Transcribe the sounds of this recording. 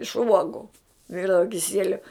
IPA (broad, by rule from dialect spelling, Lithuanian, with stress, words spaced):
ɪʃ ˈuɔɡʊ ˈʋʲɪrdɐʋɐ kʲɪˈsʲiɛlʲʊ